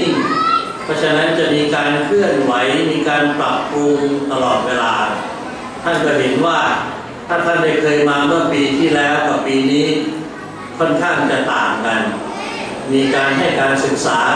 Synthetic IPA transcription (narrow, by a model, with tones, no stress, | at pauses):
ŋ | pʰɔ˦˥t͡ɕʰa˧˥na˦˥nt͡ɕa˨˩ʔmiː˧kaː˧nkʰɯ˥˩ənwa˩˦jmiː˧kaː˧npɾa˨˩p̚ːu˧ŋt̪a˧lɔː˨˩t̪̚weː˧laː˧ | t̪ʰa˥˩nkɔ˧˩ɦe˩˦nwaː˥˩ | t̪ʰaː˥˩t̪ʰa˥˩nda˥˩jkʰɤː˧jmaː˧mɯ˥˩ɐpiː˧t̪ʰiː˥˩lɛː˦˥wka˧˩piː˧niː˦˥ | kʰɔ˥˩nkʰaː˥˩ŋt͡ɕa˨˩t̪aː˨˩mka˧n | miː˧kaː˧nɦa˥˩jkaː˧nsɯ˨˩k̚saː˩˦